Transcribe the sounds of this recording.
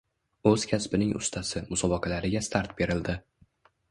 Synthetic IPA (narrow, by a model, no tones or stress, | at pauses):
ɵz̥kʲʰaspɪnɪŋʊ̰st̪ʰasɪmʊsɒbɒqʰɑlaɾɪɡʲast̪ʰaɾt̪̚be̞ɾɪld̪ɪ